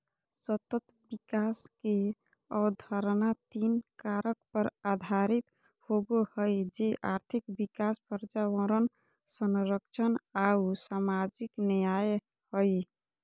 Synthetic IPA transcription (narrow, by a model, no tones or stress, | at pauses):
sət̪ət̪ | bikaske | ɔd̪ʱəɾnat̪inkaɾək̚pəɾad̪ʱaɾit̪ | hobohəjd͡ʒeʔaɾt̪ʰikbikaspəɾd͡ʒawəɾən | sənɾəkt͡ʃʰənausamad͡ʒiknəjaj | həj